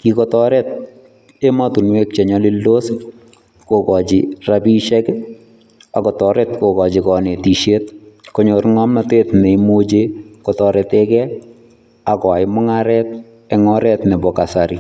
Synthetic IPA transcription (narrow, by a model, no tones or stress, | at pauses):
kikɔtɔɾɛt̚ | ematunwek̚t͡ʃeɲɔlilːos | kokɔt͡ʃirabiʃɛk | akɔtɔɾɛtkokɔt͡ʃikɔnetiʃet̚koɲoɾŋɔmnatetneimod͡ʒekɔtɔɾɛtɛkɛ | akɔaɪmʊŋaɾɛt̚ | ɛŋɔɾɛtnɛbɔkasaɾi